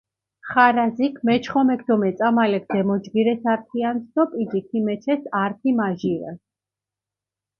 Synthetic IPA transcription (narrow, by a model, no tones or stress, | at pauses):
χaɾazikʰmɛt͡ʃʰχɔmɛkʰd̪ɔmɛt̪sʼamalɛk̚ʰd̪̥ɛmɔd͡ʒɡiɾɛsaɾt̪ʰiansd̪ɔpʼid͡ʒikʰimɛt͡ʃʰɛsaɾt̪ʰimaʒiɾɛ̰s